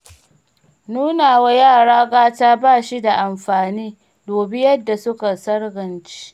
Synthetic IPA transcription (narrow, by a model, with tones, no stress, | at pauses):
nuː˦naː˨wa˦jaː˦˨ɽaː˦ɡaː˦taː˦baː˦˨ʃi˦da˨ʔa˨mɸaː˨niː˦ | doː˨bi˦jɐ˦dːa˨sʊ˦ka˨sɐ˦rɡɐ˨nt͡ʃi̥˦